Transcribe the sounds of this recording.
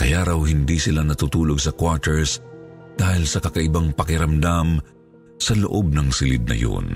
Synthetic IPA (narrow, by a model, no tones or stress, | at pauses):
kɐjaɾɐwɦɪnd̪isɪlanɐt̪ut̪uːloɡsɐkwat̪ɛɹsd̪̥aːhɪlsɐkɐkɐʔɪbaŋpɐkɪɾɐmd̪am | sɐloʔob̚nɐŋsɪlɪd̪̚nɐ̰jo̰n